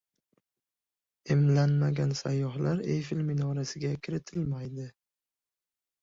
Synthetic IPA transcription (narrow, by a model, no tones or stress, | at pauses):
ɪmlanmaɡʲansajːɒɦlaɾḛfɪlmɪnɒɾasɪɡʲakʲʰɪɾɪt̪ʰɪlmajd̪ɪ